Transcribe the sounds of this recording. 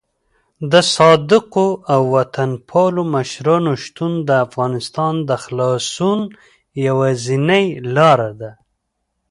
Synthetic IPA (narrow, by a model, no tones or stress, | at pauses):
d̪əsɑd̪ɪqoawːat̪ʰanpʰɑlomaʃɾɑnoʃt̪und̪əafɣɑnɪst̪ɑnd̪əxlɑsun | jawazinajlɑɾad̪a